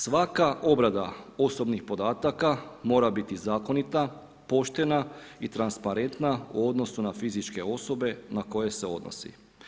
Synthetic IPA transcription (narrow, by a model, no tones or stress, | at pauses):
sʋakaʔo̞bɾad̪a̰o̞so̞bnixpo̞d̪aːt̪akamo̞ːɾabit̪izaːko̞nit̪a | po̞ʃt̪e̞nait̪ɾanspaɾe̞nt̪nauo̞d̪no̞sunafizit͡ʃke̞o̞so̞be̞nako̞je̞se̞o̞̰d̪no̰sḭ